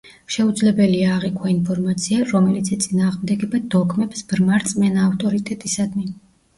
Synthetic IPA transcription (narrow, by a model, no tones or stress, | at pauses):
ʃɛud̪zlɛbɛliaːʁikʰwainpʰɔɾmat̪sʰiaɾɔmɛlit̪sʰɛt̪sʼinaːʁmd̪ɛɡɛbad̪ɔkʰmɛpsbɾmaɾt̪sʼmɛnaːft̪ʼɔɾit̪ʼɛt̪ʼisad̪mi